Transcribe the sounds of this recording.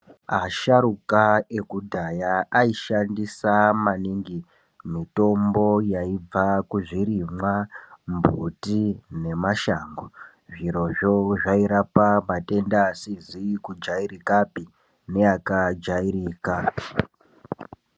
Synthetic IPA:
aʃaɾukae̞kudʱajaaiʃandisamaniŋɡi | mito̞mbo̞jaib͡vakuʐiɾimwambutine̞maʃaːŋɡo | ʐiɾo̞ʐo̞ʐaiɾapamate̞ndasizikud͡ʒaiɾikapi | ne̞jakad͡ʒaiɾika

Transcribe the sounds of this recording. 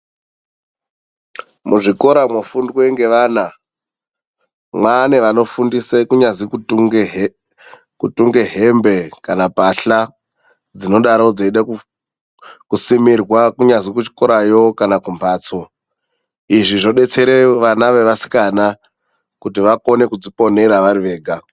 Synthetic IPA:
muʐiko̞ɾamofundwe̞ŋɡe̞ʋaːna | mwaneʋano̞fundisekuɲazikuu | kutuŋɡe̞ɦembe̞kanapaɬa | d͡zino̞ɗaɾod͡zeiɗaku | kusimirwakuɲazikut͡ʃi̥ko̞ɾajo̞kanakumbaːt͡so̞ | iʐiʐoɗe̞t͡se̞ɾeʋanaʋe̞ʋasi̥kana | kutiʋako̞ne̞kud͡zipo̞ne̞ɾaʋaɾiʋe̞ːɡʱa

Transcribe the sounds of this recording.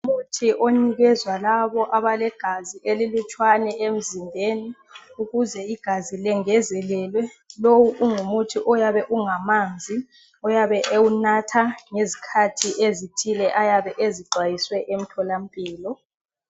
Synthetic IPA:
umutʰiʔoniɣɛzwalaβɔʔaβalɛɡ̥ʱaziʔelilut͡ʃʼwanɛʔem̩zinbʱeni | uɣuzɛiɡ̥ʱazilɛŋɛzɛlɛːlwɛlowuʔuŋumutʰiʔɔjaβɛʔuŋamand͡zʱi | ɔjaβɛʔewunatʰaŋezikʰatʰiʔezitʰilɛʔajaβɛʔeziǃwajiswɛʔem̩tʰɔlam̩pʼiːlɔ

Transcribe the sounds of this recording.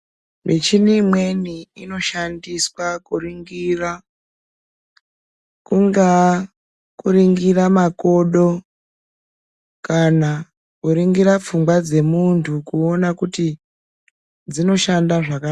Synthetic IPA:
met͡ʃinimwe̞niino̞ʃandiswakuriŋɡira | kuŋɡa | kuɾiŋɡiramako̞ɗo̞ | kana | kuɾiŋɡiɾap͡fuŋɡwad͡ze̞muntʰukuonakuti | d͡zino̞ʃandaʐaka

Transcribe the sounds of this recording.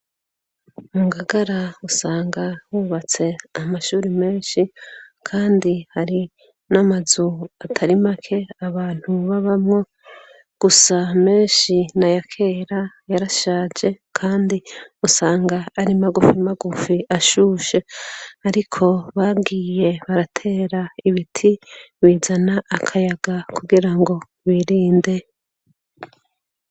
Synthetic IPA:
muːŋɡaɡaɾausaːŋɡahuːβat͡se̞amaʃuːɾime̞ːnʃikʰaːndihaɾi | namazuatʰaɾimakʰe̞aβaːn̥huβaβamŋo̞ | ɡ̥usame̞ːnʃinajakʰe̞ːɾa | jaɾaʃaːd͡ʒe̞ | kʰaːndiusaːŋɡaːɾimaɡufimaɡufiʔaʃuʃe̞aɾikʰo̞βaɡiːje̞βaɾatʰe̞ːɾaiβitʰiβiːzanaʔakʰajaɡakʰuɡiɾaŋɡo̞ | βiɾiːnde̞

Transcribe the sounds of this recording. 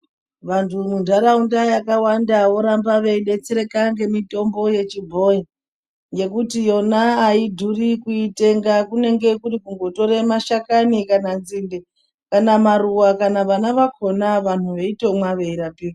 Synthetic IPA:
ʋantʰumundʱaɾaundajakawandawo̞ɾambaʋeiɗe̞t͡seɾe̞kaŋɡe̞mito̞mbo̞je̞t͡ʃibʱo̞ji | ŋɡe̞kutijo̞naːidʱurikuite̞ŋɡakune̞ŋɡe̞kurikuŋɡo̞to̞ɾemaʃakanikananzinde | kanamaruwakanaʋanaʋakʰo̞naʋan̤uʋe̞ito̞mwaʋe̞iɾapik

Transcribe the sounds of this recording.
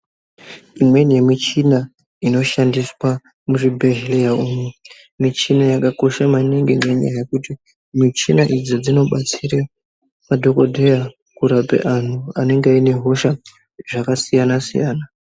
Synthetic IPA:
imwe̞ne̞mit͡ʃina | ino̞ʃandiswa | muʐibʱeʒilejaumu | mit͡ʃinajakako̞ʃamaniŋɡeŋɡeɲa̰jajekuti | mit͡ʃinaʔid͡zod͡zino̞ɓat͡siɾa | madʱo̞ko̞dʱeja | kuɾapḛʔan̤uane̞ŋɡeaine̞ɦo̞ʃa | ʐakasijanasḭjaːna

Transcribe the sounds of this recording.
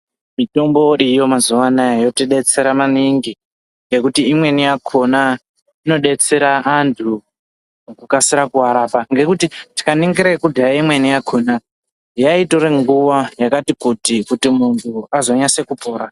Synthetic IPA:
mito̞mbo̞ʔijo̞mazuʋanajajo̞tiɗe̞t͡se̞ɾamaniŋɡi | ŋɡe̞kutiːmwe̞nijakʰo̞na | ino̞ɗe̞t͡se̞ɾaʔːntʰu | kukasiɾakuaɾaːpaŋɡe̞kutiti̥kaniŋɡiɾakudʱaaimwe̞nijakʰona | jaitoɾeŋɡuʋajakatikutikutimuntʰuazo̞ɲase̞kupo̞ːɾa

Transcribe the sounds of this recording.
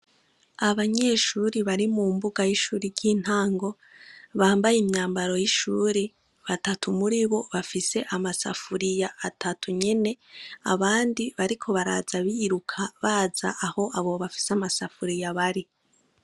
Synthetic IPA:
aβaɲe̞ːʃuːɾiβaɾimumbuɡajiʃuːɾiɾɟiːn̥haːŋɡo̞ | βaːmbajimɲaːmbaɾo̞jiʃuːɾi | βatatʰumuɾiβo̞βafise̞ʔamasa̰fuɾijaːtʰatuɲe̞ne̞a̰βaːndiβaɾikʰo̞βaɾa̰ːzaβiɾukʰaβaːza̰ʔːho̞ʔaβoβafi̥seamasafuɾijaβaɾi

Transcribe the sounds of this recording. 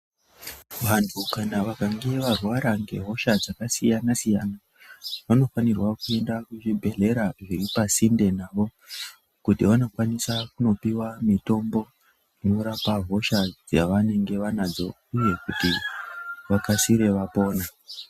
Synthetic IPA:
ʋantʰukanaʋakaŋɡe̞ʋarwaɾaŋɡe̞̰ɦo̞ʃad͡zakasijanasijana | ʋano̞fanirwakue̞ndakuʐibʱe̞ɮe̞ɾaʐiripasinde̞naːʋo̞ | kutiʋano̞kwanisakuno̞piwamito̞mbo̞ | ino̞ɾapaɦo̞ʃad͡za̰ʋane̞ŋɡe̞ʋanad͡zo̞̰ | uje̞kuti | ʋakasiɾe̞ʋapo̞ːna

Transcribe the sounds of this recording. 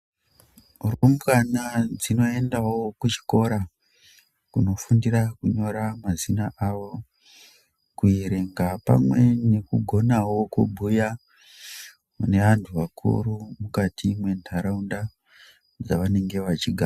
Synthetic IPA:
romukanad͡zino̞e̞ndawokut͡ʃi̥ko̞ɾa | kuno̞fundirakuɲo̞ɾamazinaʔaʋo | kuiɾe̞ŋɡapa̰mwe̞ne̞kuɡʱo̞nawo̞kubʱuja | une̞ʋantʰuʋakʰṵɾumukatʰimwe̞ndʱaɾaunda | d͡zaʋane̞ŋɡe̞ʋat͡ʃiɡʱa

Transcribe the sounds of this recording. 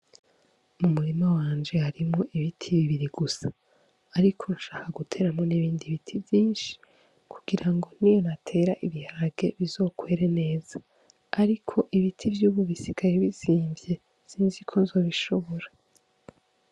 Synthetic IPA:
mumuɾimawaːnd͡ʒe̞haɾimŋo̞ʔiβitʰiβiβiɾiɡusḁː | ɾikʰo̞nuʃaːkaɡutʰe̞ːɾamŋo̞niβiːndiβitʰibjiːnʃi̥ | kʰuɡ̥iɾaŋɡo̞nijo̞natʰe̞ːɾaʔiβihaɾaɡe̞βizo̞ːkwe̞ːɾene̞ːz̥aː | ɾikʰo̞ʔiβitʰivjuːβuβisikaɾeβiziːmbje̞ | siːnzikʰo̞nzo̞ːβiʃo̞βo̞ɾa

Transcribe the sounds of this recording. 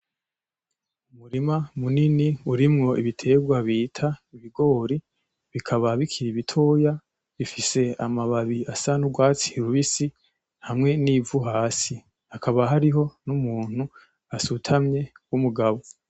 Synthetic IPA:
umuɾimamuniniuɾimŋo̞ʔiβitʰe̞ɡwaβiːtʰaiβiɡo̞ːɾi | βikʰaβaβikʰiɾiβitʰo̞ːja | βifise̞amaβaβiasanuɡwaːt͡si̥ɾuβisi | hamŋe̞niːvuɦaːsi | hakʰaβaɦaɾiɦo̞numuːn̥u | asutʰamɲe̞ | wumuɡaβo̞

